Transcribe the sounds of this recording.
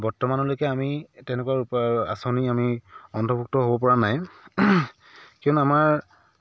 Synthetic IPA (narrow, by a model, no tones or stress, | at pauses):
bɔɹtɔmanɔlojkɛamitɛnɛkwaɹua̰soniamiɔntʰɔpuk̚tɔɦobɔpɔɹanaj | kiɔnamaɹ